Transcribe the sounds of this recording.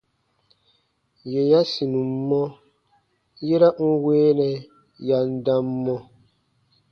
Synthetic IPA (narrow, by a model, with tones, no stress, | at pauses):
jɛ˨ja˦si˨nũ˨mː˦ɔ˦ | jɛ˦ɾa˦ŋ̩˦weː˦nɛ˨ | ja˨n̩˦da˦mːɔ˦